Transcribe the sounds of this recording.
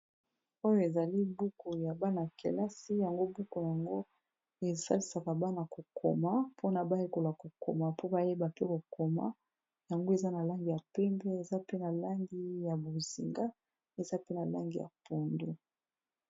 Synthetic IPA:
o˦jo˦e˨za˨li˦bu˦ko˨ja˨ba˦na˨kḛ˨la˦si˦ja˨ŋɡo˦bu˦ko˨ja˨ŋɡo˦ | e˨sa˦li˨sa˨ka˨ba˦na˨ko˨kʰo̰˨ma˦pʰo˦na˨ba˦je˦ko˨la˨ko˨ko̰˨ma˨po˦ba˦je˦ba˨pe˦ko˨ko˨ma̰˦ | ja˨ŋɡo˦e˨za˦na˨la˦ŋɡi˨ja˨pɛ˦mbɛ˦e˨za˦pe˦na˨la˦ŋɡi˦ja˨bo˨zi˨ŋɡa˦ | e˨za˦pe˦na˨la˦ŋɡi˨ja̰˨po˨ndo˦

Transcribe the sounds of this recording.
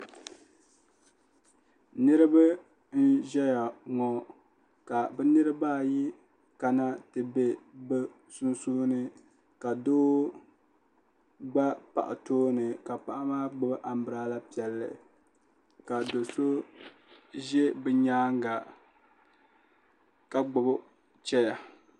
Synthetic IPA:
nɨ˦ɾɨ˦ba˦ | n̩˦ʒɛ˦ja˨ŋɔ˨ | ka˨bɛ˦nɨ˦ɾɨ˦baː˦˨ji˦ | ka˨na˦tɨ˨be˦bɨ˦ | su˦nsuː˦nɨ˦ | ka˨doː˦ | ɡ͡ba˦pa̰˨ʔa̰˨toː˦nɨ˨ka˨pa˨ʔa˦maː˦ɡ͡bʊ˨bʔa˨m̩˦bɨ˨ɾa˦la˦pi˨ɛ˨lːɨ̰˨ | ka˨do˨so˦ | ʒɛ˦bɛ˨ɲaː˦ŋ˦ɡa˨ | ka˨ɡ͡bʊ˨b | t͡ʃɛ˦ja˨

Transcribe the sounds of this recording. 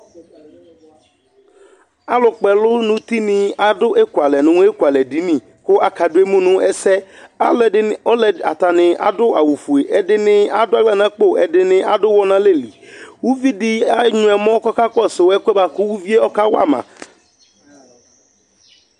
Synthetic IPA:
a˦lʊ˨k͡pɛ˨lʊ˦nʊ̃˦t̪i˦nɪ̃˨a˨dʊ˦ʔe˦ku˨a˨lɛ˨nʊ̃˨ñ˦e˦kwa˨lɛ˨di˨˦nĩ˨ | kʊ˦a˨ka˨dʊ˦e˦mũ˦nʊ̃˦ɛ˦sɛ˦a˦˨˦ɔ˦lɛ˨a̰˨t̪a˨nɪ̃˨ʔa̰˨dʊ˦a˨wu˨fu˨e˨ʔɛ˨dɪ˦nɪ̃˦a˨dʊ˦a˦ɡla˦nã˨˦k͡po˦ɛ˨dɪ˨nɪ̃˨ʔa˨dʊ˦wɔ˦nã˦le˦˨li˨wu˦vi˦dɪ˦a˦ɲʊ̃˨ɛ˨mɔ̃˦kɔ˦ka˦kɔ˦sɪ˨wɛ˦kɛ˦ba˨kʊ˦wu˦vi˦e˦ɔ˦ka˦wa̰˦˨mã̰˨

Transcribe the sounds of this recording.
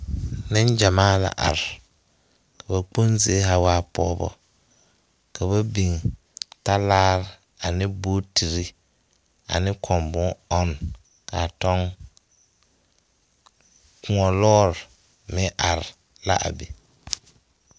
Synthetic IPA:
nɪ˦nd͡ʒa˨maː˦la̰˨ʔa̰˨ɾɪ˨ | ka˨ba˨k͡po˦nzɪ˨e˦ha˨waː˦pɔː˦bɔ̰˦ | ka˨βa˦bi˨ŋ | ta˦laː˦ɾɪ˨ | a˨nɪ˦boː˦ti˨ɾi˦ | a̰˨nɪ˦kʰɔ˨mbʊ˦ɔ˦n | ka˨tɔ˦ŋ | kʊ˦ɔ˨lɔː˦ɾ | mɪ˦ʔa˨ɾɪ˨ | la̰˦ʔa̰˨be˨

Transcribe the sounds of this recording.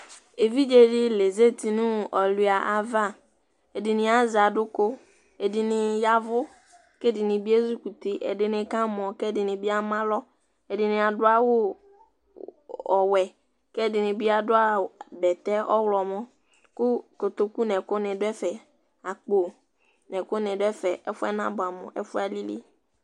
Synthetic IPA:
e˨vi˦d͡ʒe˦dɪ˦le˨ze˦t̪i˨nʊ̃˦˨ɔ˨lu˨˦a˨ʔa˨va˦ | e˨dɪ˨nɪ̃˨a˨za˨dʊ˦ko˦ | e˨dɪ˨nɪ˨ja˦vʊ˦ | ke˦˨dɪ˨nɪ̃˨bi˦e˦zu˦ku˨t̪i˦ʔḛ˨dɪ˨nɪ̃˨kã˦mɔ̃˨kɛ˦˨dɪ˨nɪ̃˨bi˦a˦mã˦lɔ˦ | e˨dɪ˨nɪ̃˨a˨dʊ˦a˦wʊ˦ | ɔ˨wɛ˨ | kɛ˦dɪ˨nɪ̃˨bi˦a˨dʊ˦a˦bɛ˨t̪ɛ˦ʔɔ˦wlɔ˨mɔ̃˦ | kʊ˦kʊ˨t̪o˨ku˦nɛ˨kʊ˦nɪ̃˨dʊ˦ɛ˦fɛ˨ | a˨k͡po˨ | nɛ̃˨kʊ˦nɪ̃˨dɛ˦fɛ˨ɛ˦fʊ˦ɛ̰˦nã˦bʊ˨a˨mʊ̰̃˨ʔɛ̰˦fʊ˦a˨li˦lḭ˦

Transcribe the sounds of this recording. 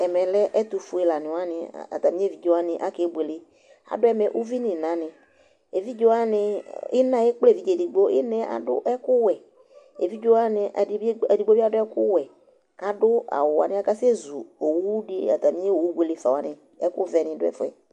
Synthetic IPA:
ɛ˨mɛ˨lɛ˦ʔɛ˦tʊ˨fʊ˨˦ɛ˨la˨nɪ̃˨wa˦nɪ̰˨a̰˨t̪a˨mĩ˦e˦vi˨d͡ʒo˦wa˦nɪ̃˨ʔa˦ke˨˦ɡ͡bʷe˨lɪ˦ | a̰˨dʊ˦ɛ˦mɛ˨ʔu˦vi˦nɪ̃˨nã˨nɪ̃˨ | e˨vi˦d͡ʒo˦a˦nɪ˧ɪ˦nã˨˦e˦k͡ple˦˨vi˨˦d͡ʒe˨dɪ˨ɡ͡bo˦ɪ˦nɛ˨a̰˨dʊ̰˦ʔɛ˦kʊ˦wɛ˨ | e˨vi˦d͡ʒo˦a˦nɪ˨ʔa˨˦ɛ˨di˨˦ɡ͡bo˦bi˦a˦dʊ˦ɛ˦kʊ˦wɛ˨ | a˨dʊ˦a̰˨wʊ˨a̰˨nɪ̃˦a˦ka˦sɛ˦zu˨o˨wu˦dɪ˦a̰˨t̪a˨mĩ˦e˦o˨wu˦ɡ͡be˨le˦fa˨wa˨nɪ˨ | ɛ˦kʊ˦vɛ˨nɪ̃˨dʊ˦ɛ̰˦fʊ˦ɛ̰˨

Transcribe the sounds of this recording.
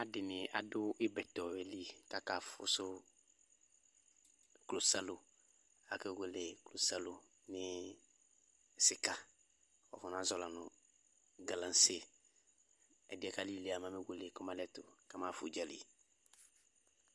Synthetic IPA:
a˦dɪ˨nɪ˨a̰˨dʊ˦ʔɪ˦bɛ˨tɔ˨ɛ˨li˦ka˦ka˨fʊ̰˨˦sʊ˦ | klo˨sa˦lʊ˨ | a˨ke˦we˦le˨klo˨sa˦lʊ˨ | nɪ˦˨ | sɪ˦ka˨ | kɔ̰˨fɔ˨n˦a˦zɔ˨la˨nʊ̃˨ | ɡa˨lã˨n˦se˦ | ɛ˨dɪ˦ɛ˦ka˦li˦˨le˦a˨mã˦me˦we˦le˨kɔ˦mã˦lɛ˦tʊ˨ka˦ma˦˨fʊ˨d͡ʒa˦lḭ˨

